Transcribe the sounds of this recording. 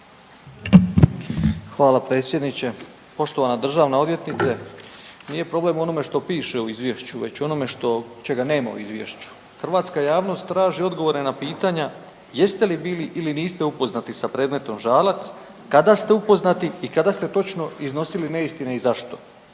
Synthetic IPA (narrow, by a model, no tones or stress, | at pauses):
xʋaːlapɾe̞ːt̪sje̞d̪nit͡ɕe̞ | po̞ʃt̪o̞ʋanad̪r̩ʒaːʋnao̞d̪ʋje̞t̪nit̪se | nije̞pɾo̞ble̞mo̞no̞me̞ʃt̪o̞piːʃe̞uizʋje̞ʃt͡ɕuʋe̞̰t͡ɕo̞no̞me̞ʃt̪o̞t͡ʃe̞ɡane̞ːma̰ṵḭzʋje̞̰ʃt͡ɕu̥ | xrʋaːt̪skajaːʋno̞st̪ːɾaːʒio̞d̪ɡo̞ʋo̞ɾenapiːt̪aɲa | je̞st̪e̞libiːliʔiliniːst̪eupo̞znat̪isapɾe̞ːd̪me̞t̪o̞mʒaːlat̪s | kad̪ast̪e̞upo̞znat̪iikad̪ast̪e̞t̪o̞t͡ʃno̞izno̞siline̞ist̪ineizaʃt̪o̞